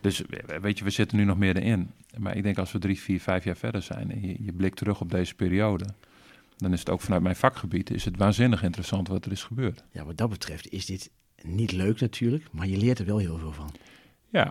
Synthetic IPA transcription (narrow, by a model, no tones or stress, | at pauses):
d̥øsa̰ʋeːtjəʋəz̥ɪtənynɔxmɪədəʔɪnma̰ʔɪɡ̚dɛŋkɑlˠsʋədrifiːrfɛjfjaːɹfɛ̰dəɹzɛ̰jnɛ̰njəjəblɪk̚tʰərøxɔb̚deːzəpeːɾioːdə | dɔnɪsə̥to̰ːkfanœɥt̚mɛjnfɑkxəbitɪ̰shətʋaːnzɪnəxɪntərəsɑntʋɔtərɪsxəbøərtja̰ʋɑtdɑt̚bətrɛftɪsdɪt | nitløːknatʰyːrləkmaɹjəlɪːətərʋɛlˠɦɪːlˠvɪːlˠvɔn | ja̰